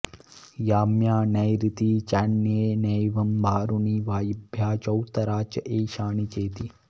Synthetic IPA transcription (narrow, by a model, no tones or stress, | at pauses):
jaːmjaːnɐjɾit̪it͡ʃaːɳːeːnɐjʋɐmbʱaːɾuniːʋaːjibʱjaːt͡ʃɐwt̪ɐɾaːt͡ʃɐʔeːʃaːɳit͡ʃeːt̪i